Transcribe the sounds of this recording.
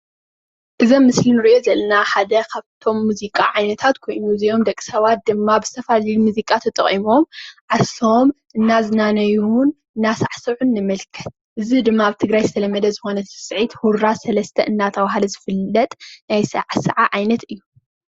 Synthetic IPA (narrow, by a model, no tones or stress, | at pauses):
ʔɨzɐmːɨslinɨɾiʔozɐlɐnaħad̪ɐkʰaβt̪ʰo̞mːuzikʼaʕajnɐt̪ʰat̪kʰo̞jnuɨzijo̞md̪ɐkʼsɐβat̪̚d̪ɨmːabɨzɨ̥t̪ʰɐfalɐjumuzikʼat̪ʰɐt̪ʼɐ̰χʼimo̞mʕasomʔɨnːazɨnanɐjun | ɨnːasaʕsɨʕunːɨmɐlkʰɐ̥t̪̚ʔɨzid̪ɨmːaaβt̪ʰɨɡɾajzɨt̪ʰɐlɐmɐd̪ɐzɨxo̞nɐsɨ̥sʼʕit̪huɾasɐlɐst̪ʰɐʔɨnːat̪ʰɐβaɦalɐzɨfɨlːɐt̪ʼnajsɐ̰ʕasɐ̰ʕaʕajnɐt̪ɨjːu